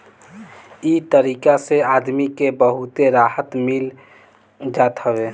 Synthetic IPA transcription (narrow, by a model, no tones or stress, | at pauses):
it̪əɾiːkaseaːd̪mikebəɦut̪eɾaːɦət̪mil | d͡ʒat̪ɦəbe